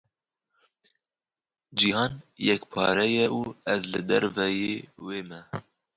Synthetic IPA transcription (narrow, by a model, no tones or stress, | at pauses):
d͡ʒihɑːnjɛkpʰɑ̰ːɾɛjɛuːɛzlɨd̪ɛɾvɛjeːweːmɛ